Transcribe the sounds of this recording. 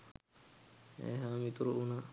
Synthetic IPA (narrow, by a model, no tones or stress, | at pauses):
ḛɦamit̪uɾuʔuna